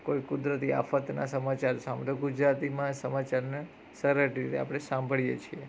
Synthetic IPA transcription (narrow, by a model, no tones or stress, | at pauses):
koikʊd̪ɾət̪ia̰fət̪na̰səmat͡ʃaɾsãmb̪oɡud͡ʒɾat̪imãsəmat͡ʃaɾne | səɾəʈɾit̪ḛa̰pɽ̃esãmbʱəɭijet͡ʃʰie